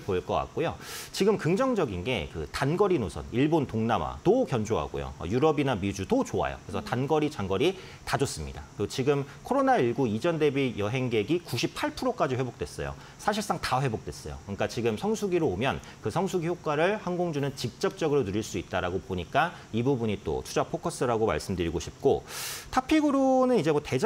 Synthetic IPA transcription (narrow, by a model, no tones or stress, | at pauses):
poiɭk͈ʌk͈a̰k̚k͈ojot͡ɕiɡɯmkɯŋd͡ʑʌŋd͡ʑʌɡinɡe̞kɯ̰tanɡʌɾinosʰʌ̰niɭbontoŋnama̰tokjʌnd͡ʑoɦa̰ɡo̰jo̰ʌ̰juɾʌbinamid͡ʑutot͡ɕoa̰jo̰kɯɾesʰʌtanɡʌɾit͡ɕaŋɡʌɾi | tad͡ʑʌs͈ɯmɲḭda̰t͈ot͡ɕiɡɯmkʰoɾonaiɭɡuid͡ʑʌnde̞bijʌɦe̞ŋɡe̞ɡikuɕʰipʰaɭpʰuɾok͈ad͡ʑihwebok̚t͈we̞s͈ʌjo̰ | sʰaɕ̬ʰiɭs͈aŋtaɸwe̞bok̚t͈we̞s͈ʌjo̰kɯɲik͈at͡ɕiɡɯmsʰʌŋsʰuɡiɾoomjʌn | kɯsʰʌŋsʰuɡiçjok͈aɾɯɭhanɡoŋd͡ʑunɯnt͡ɕik̚t͡ɕ͈ʌp̚t͡ɕ͈ʌɡɯɾonɯɾiɭs͈uit̚t͈aɾaɡopoɲik͈a | ibubuɲit͈o̰tʰu̥d͡ʑapʰokʰʌs͈ɯɾaɡoma̰ɭs͈ɯmdɯɾiɡoɕʰip̚k͈o̰tʰapʰiɡuɾonɯnid͡ʑe̞mwʌte̞d͡ʑ